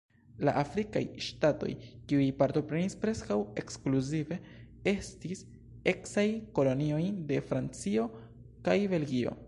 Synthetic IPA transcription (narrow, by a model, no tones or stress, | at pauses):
la̰ʔafɾika̰jʃtato̞̰jkiujpaɾto̞pɾe̞nispɾe̞skawe̞kskluzive̞ | e̞stis | e̞ksajko̞lo̞nio̞jde̞fɾant͡sio̞ | kajbe̞lɡio̞̰